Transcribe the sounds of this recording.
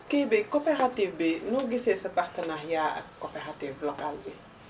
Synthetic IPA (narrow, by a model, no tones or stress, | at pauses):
kɛbikɔpɛɾatifbinuɡisesɐpaxtɐnaxjaːʔɐ̰kːopɛɾatiːflɔkalbi